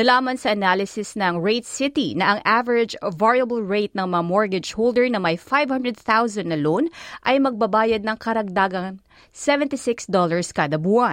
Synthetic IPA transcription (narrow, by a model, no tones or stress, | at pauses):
nɐlaːmɐnsɐʔɐnalɪsɪsnɐŋɹejt̪sɪt̪inɐʔɐŋʔavɛɹɪd͡ʒvaɹjɐbɐlɹejt̪̚nɐŋmɐŋamoɹɡɛd͡ʒhold̪ɛɹnɐmɐjfajvhɐ̃nd̪ɹɛd̪̚θawzɐ̃nd̪nɐlonʔɐjmɐɡ̚bɐbaːjɐd̪̚nɐŋkɐɾɐɡ̚d̪aːɡɐŋ | sɛvɛnt̪isɪksd̪olɐɹskɐd̪ɐbuɐ